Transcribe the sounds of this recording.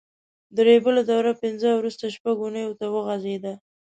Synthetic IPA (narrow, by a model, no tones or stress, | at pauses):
d̪ɾebəlad̪awɾapɪnzəwɾust̪aʃpaɡunəjot̪awəɣazed̪a